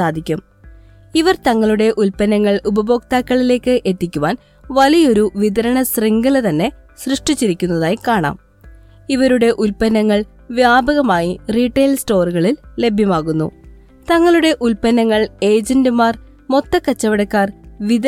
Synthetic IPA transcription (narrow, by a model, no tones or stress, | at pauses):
saːd̪ʱikʲːum | iʋɐrt̪ɐŋːɐɭuɽe̞ʔulpɐnɐŋːɐɭubɐbo̞ːk̚t̪aːkːɐɭile̞ːkːɨʔe̞t̪ːikʲːuʋaːn | ʋɐlijo̞ɾuʋid̪ɐɾɐɳɐsriŋɡɐlt̪ɐnːe̞ | srɨʂʈit͡ɕːiɾikʲːunːɐðaːjikaːɳa̰ːm | iʋɐɾuɽe̞ʔulpɐnɐŋːɐɭ | ʋjaːbʱɐɣɐmaːjiriːʈːe̞ːlsto̞ːruɣɐɭilːe̞bʱjɐmaːɣunːṵ | t̪ɐŋːɐɭuɽe̞ʔulpɐnɐŋːɐɭe̞ːd͡ʑɐndɨmaːr | mo̞t̪ːɐkːɐt͡ɕːɐʋɐɽɐkːaːrʋid̪ɐ